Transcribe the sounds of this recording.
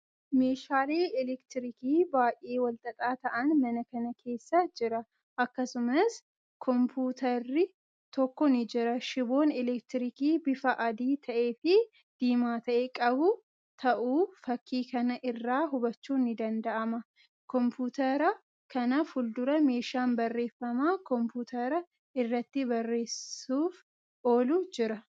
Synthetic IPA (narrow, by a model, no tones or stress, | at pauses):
me̞ːʃaːleːɪlɛkt̪ɪɾɪkiːbaːjʔeːwɐlt̪ʼɐt̪ʼaːt̪ɐʔɐnmɐnɐkɐnɐkʰe̞ːsːɐd͡ʒɪɾɐ | ʔɐkːɐsʊmɐs | kʰɔmpʰuːt̪ɐrːɪ | t̪ɔkːɔnɪd͡ʒɪɾɐʃɪbo̞ːnɛlɛkt̪ɪɾikiːbɪfɐʔɐd̪iːt̪ʰɐʔe̞ːfɪ | d̪̥iːmaːt̪ɐʔeːkʼɐbʊ | t̪ʰɐʔuːfɐkːiːkɐnɐʔɪrːaːɦʊbɐt͡ʃːuːnɪd̪ɐnd̪ɐʔɐmɐ | kɔmpuːt̪ɐɾɐ | kɐnɐfʊld̪ʊɾɐme̞ːʃaːnbɐrːe̞ːfːɐmaːkɔmpuːt̪ʰɐɾɐ | ɪrːɐt̪ːɪbɐrːe̞ːsuːf | o̞ːlʊd͡ʒɪɾɐ